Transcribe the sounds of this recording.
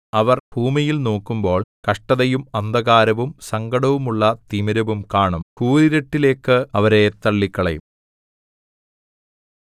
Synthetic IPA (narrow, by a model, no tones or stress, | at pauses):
ɐʋɐrb̥ʱuːmijilno̞ːkːumbo̞ːɭkɐʂʈɐðɐjumɐnd̪ɐɣaːɾɐʋumsɐŋɡɐɽɐʋumuɭːɐt̪imɐɾɐʋumkaːɳɐmkuːɾiɾɐʈːile̞ːkːɨɐʋɐɾe̞t̪ɐɭːikːɐɭɐ̰jum